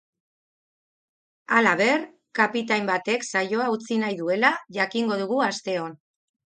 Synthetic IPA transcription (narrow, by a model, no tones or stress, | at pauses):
alaβ̞e̞ɾ | kapit̪ajmbat̪e̞ksajo̞aut͡sinajðue̞laʝakiŋɡo̞ð̞uɣuast̪e̞o̞n